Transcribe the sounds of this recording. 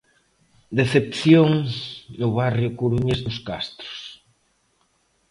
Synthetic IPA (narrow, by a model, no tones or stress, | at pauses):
d̪eθepθjoŋnʊβarjʊkuɾuɲezðʊska̰st̪ɾʊ̥s